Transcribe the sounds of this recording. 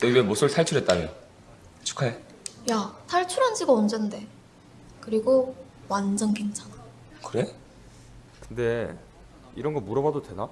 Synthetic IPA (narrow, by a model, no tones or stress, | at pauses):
teiemosʰɯɭtʰaɭt͡ɕʰuɾɦet̚t͈amjo | t͡ɕʰu̥kʰae | jatʰaɭt͡ɕʰuɾand͡ʑiɡaond͡ʑʌnde̞ | kɯɾiɡo | wand͡ʑʌnke̞ŋt͡ɕʰana | kɯɾe̞ | kɯnde̞ | iɾʌnɡʌmuɾʌβadodwe̞na